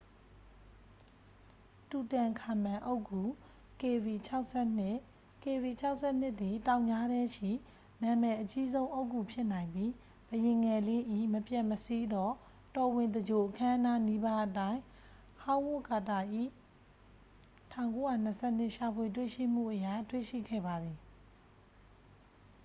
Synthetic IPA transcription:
tu˨tã˨ŋkʰa˨mã˨ʔo˦ʊkːu˨ | ke˨bi˨t͡ɕʰa˦ʊʔsɛ˦n˦ | ke˨bi˨t͡ɕʰa˦ʊʔsʰɛ˦˨n̥ɪ˦ʔt̪t̪i˨tã˨ʊ̃ɲd͡ʑa˦ɾɛ˦ʃḭ˦˨ | nã˨mɛ˨ʔət͡ɕi˦zõ˦ʊ̃ʔo˦ʊkːu˨pʰjɪ˦ʔnã˨ɪ̃mbi˦ | b̥əjɪ̃˨ŋɛ˨le˦˨ʔḭ˦˨məpjã˦˨məsi˦d̪ɔ˦ | tɔ˨wɪ̃˨nd̪əd͡ʑo˨ʔəkʰã˦na˦ni˦ba˦ʔətã˦ɪ̃ | hã˦ʊ̃wo˦˨ka˨ta˨ʔḭ˦˨ | tʰã˦˨ʊ̃ŋko˦ja˦˨n̥əsʰɛ˦˨n̥ɪ˦ʔʃa˨pʰwe˨t̬wḛ˦˨ʃḭ˦˨m̥ṵ˦˨ʔəja˦˨twḛ˦˨ʃḭ˦˨ɡɛ̰˦˨ba˨d̪ði˨

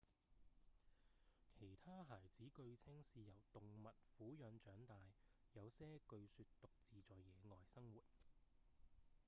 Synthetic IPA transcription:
kʰe˨˩jt̪ʰaː˥ɦaː˨˩jt͡siː˨˥kɵ˧ɥt͡sʰɪ˥ŋsiː˧jɐ˨˩wt̪ʊ˨ŋmɐ˨t̚fuː˨˥jœː˨˧nt͡ʃœː˨˥ŋt̪aː˨jːɐ˨˧wsɛː˥kɵ˧ɥsyː˧tt̪ʊ˨k̚t͡siː˨˧t͡sɔː˨jjɛː˨˧ŋɔː˨jsɐ˥ŋwuː˨˩t̚

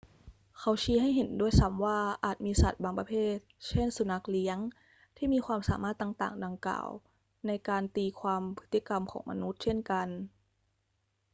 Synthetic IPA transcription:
kʰa˦˥wt͡ɕʰiː˧˥ɦa˥˩jɦe˩˦ndu˥˩əjsa˦˥mwaː˥˩ʔaː˨˩t̪̚miː˧sa̰˨˩t̪̚baː˧ŋpa˧pʰeː˥˩t̪̚t͡ɕʰe˥˩nsu˧˦na˦˥k̚li˦˥əŋ | t̪ʰiː˥˩miː˧xʰwaː˧msa̰ː˩˦maː˥˩t̪ːa˨˩ŋt̪a̰ː˨˩ŋda˧ŋkla̰ː˨˩w | na˧jkaː˧nt̪iː˧kʰwaː˧mpʰɯ˦˥t̪ːi˧˩ka˧mkʰɔ̰ː˩˦ŋma̰˧nu˦˥t̪̚t͡ɕʰe˥˩nka˧n

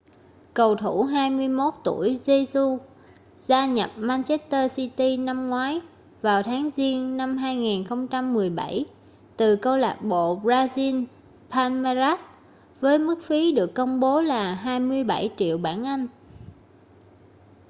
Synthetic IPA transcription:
kə˨˩wt̪ʰu˧˩ɦaː˧jmɨ˧əjmo˦˥t̚t̪u˧˩əjze˧su˧ | zaː˧ɲə˨˩p̚maː˧nt͡ɕɛ˦˥st̪əː˧si˧t̪i˧na˧mŋwaː˨˦j | vaː˨˩wt̪ʰaː˨˦ŋzi˧ənna˧mɦaː˧jŋiː˨˩nxə˧wŋ͡mt͡ɕa˧mːɨ˨˩əjɓa˧˩j | t̪ɨ˨˩kə˧wla̰ː˨˩k̚ɓo̰˧˨bzaː˧zi˧n | pʰaː˧nma˧za˦˥s | vəː˨˦jmɨ˦˥k̚fi˨˦ɗɨ˨˩əkːə˧wŋ͡mɓo˨˦laː˨˩ɦaː˧jmɨ˧əjɓa˧˩jt͡ɕḭ˧˨əwɓaː˧˩nʔa˧jŋ̟

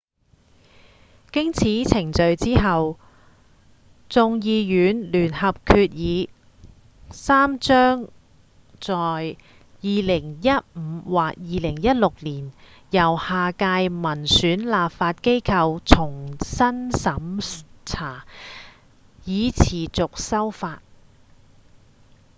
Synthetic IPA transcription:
kɪ˥ŋt͡sʰiː˨˥t͡sʰɪ˨˩ŋt͡ʃɵ˨˧ɥt͡siː˥ɦɐ˨w | t͡sʊ˧ŋjiː˧jyː˨˥nlyː˨˩nhɐ˨p̚kʰyː˧t̚jiː˨˧ | saː˥mt͡ʃœː˥ŋ | t͡sɔː˨j | jiː˨lɪ˨˩ŋjɐ˥t̚m̩ː˨˧waː˨k̚jiː˨˧lɪ˨˩ŋjɐ˥t̚lʊ˨k̚liː˨˩n | jɐ˨˩whaː˨kaː˧jmɐ˨˩nsyː˨˥nlaː˨p̚faː˧t̚ke˥jkʰɐ˧wt͡sʰʊ˨˩ŋsɐ˥nsɐ˨˧˥mt͡sʰaː˨˩ | jiː˨˧t͡sʰiː˨˩t͡sʊ˨k̚sɐ˥wfaː˧t̚

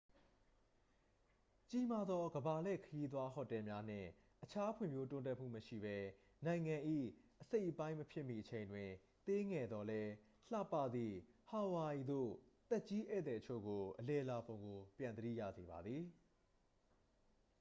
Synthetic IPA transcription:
t͡ɕi˦ma˦d̪ðɔ˦ɡəba˨lɛ̰˦˨kʰəji˦t̪̬wa˦ɦɔ̰˦˨tɛ˨mja˦n̥ɪ̰̃˦˨ | ʔət͡ɕʰa˦pʰwɪ̰̃˦˨mjo˦tʊ̃˦˨nt̬ɛ˦ʔm̥ṵ˦˨məʃḭ˦˨bɛ˦ | nã˨ɪ̃ŋã˨ʔḭ˦˨ʔəse˦ɪʔəpã˦ɪ̃məpʰjɪ˦ʔmḭ˦˨ʔət͡ɕʰẽ˨ɪ̃ndwɪ̃˨ | t̪e˦ŋɛ˨d̪ðɔ˦lɛ˦ | l̥a̰˦˨pːä̰˦˨d̪ði˨ha˨wa˨i˨d̪o̰˦˨t̪ɛ˦ʔt͡ɕi˦ʔɛ̰˦˨t̪ɛ˨tət͡ɕʰo̰˦˨ɡo˨ʔəlɛ˨la˨põ˨ʊ̃ŋɡo˨pjã˨nd̪əɾḭ˦˨jä̰˦˨ze˨ba˨d̪ði˨

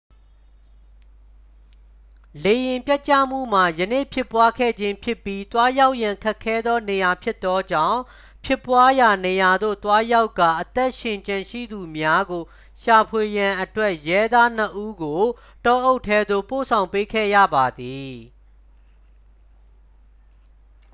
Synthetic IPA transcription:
le˨jɪ̃˨mpja˦ʔ̚t͡ɕä̰˦˨m̥ṵ˦˨m̥a˨jənḛ˦˨pʰjɪ˦˨pːwa˦kʰɛ̰˦˨d͡ʑɪ̃˦mpʰjɪ˦pːji˦t̪wa˦ja˦ʊʔjã˨ŋkʰɛ˦kʰːɛ˦d̪ðɔ˦ne˨ja˨pʰjɪ˦t̪ːɔ˦d͡ʑã̰˦˨ʊ̃ | pʰjɪ˦pːwa˦ja˨ne˨ja˨d̪o̰˦˨t̪wa˦ja˦ʊkːa˨ʔət̪ɛ˦ʔʃɪ̃˨ɲt͡ɕã˨ʃḭ˦˨d̪u˨mja˦ɡo˨ | ʃa˨pʰwe˨jã˨ʔətwɛ˦ʔjɛ˦d̪a˦n̥ə˦ʔu˦ɡo˨ | tɔ˦ʔo˦ʊtʰːɛ˦d̪o̰˦˨po̰˦˨sʰã˨ʊ̃mpe˦kʰɛ̰˦˨jä̰˦˨ba˨d̪i˨

